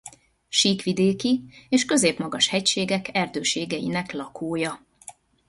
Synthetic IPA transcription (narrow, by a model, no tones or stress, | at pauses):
ʃiːkʋid̪eːkieːʃkø̞zeːpmɒɡɒʃhɛcʃeːɡɛkʰɛrd̪øːʃeːɡɛjḭnɛklɒkʰoːjɒ